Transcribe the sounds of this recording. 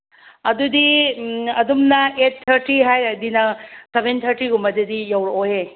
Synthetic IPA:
ɐdudi | ɐdumnɐet̚t̪ʰːɐɾtiɦajɾadinɐsebʱent̪ʰɐɾtiɡumɐdedijawɾoɦe

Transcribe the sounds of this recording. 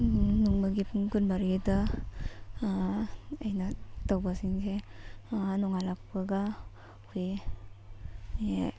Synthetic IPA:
nuŋmaɡipʰuŋɡunbaɾida | ajnatawbasiŋse | nɔŋalak̚paɡa | kʰuj | e

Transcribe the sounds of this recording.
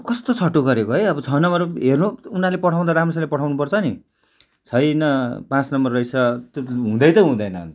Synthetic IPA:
kʌst̪ot͡sʰʌʈːoɡʌɾekoɦʌjʌbʌt͡sʰʌnʌmʌrɦernuunalepʌʈʰaw̃d̪aɾamrʌsalepʌʈʰawnupʌrt͡sʰʌni | t͡sʰʌjnʌpãt͡snʌmʌrʌjt͡sʰʌt̪oɦũd̪ʌjt̪ʌɦũd̪ʌjnʌ̰

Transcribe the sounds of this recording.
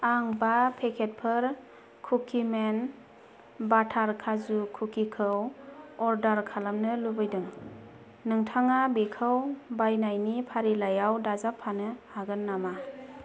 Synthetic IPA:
aŋbapʰekʰet̚pʰɯɾ | kʰukʰimen | batʰaɾkʰazukʰukikʰɯwɔɾdaɾkʰalamnɯlubɯjdɯŋ | nɯŋtʰaŋabikʰɯwbajnajnipʰaɾilajawdazapʰːanɯhaɡɯnːama

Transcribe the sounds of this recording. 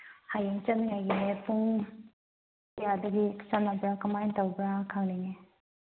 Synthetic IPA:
hajuŋt͡ʃaniŋajɡinepuŋ | jadɐɡit͡ʃanabɾakamajntawbɾakʰaŋnine

